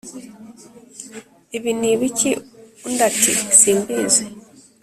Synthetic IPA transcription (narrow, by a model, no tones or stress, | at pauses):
iβiniβiciundatʰḭsiːmbiːze